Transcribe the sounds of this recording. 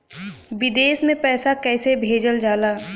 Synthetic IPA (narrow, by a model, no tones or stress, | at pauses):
ʋɪd̪eːsmẽpɛːsakɛːsebʱeːd͡ʒəld͡ʒaːlaː